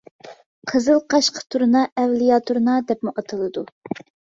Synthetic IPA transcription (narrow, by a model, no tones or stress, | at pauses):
qʰəzɨlˠqʰɑʃqʰə̥t̪ʰuɾnɑʔɛvlijɑt̪ʰuɾnɑd̪ɛpmuʔɑt̪ʰɨlˠɨd̪u